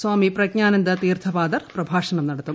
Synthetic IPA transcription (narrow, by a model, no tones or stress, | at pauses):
swaːmipɾɐɡɲaːnɐnd̪ɐt̪iːrt̪ʰɐpaːd̪ɐrprɐbʱaːʂɐɳɐmnɐɽɐt̪ːum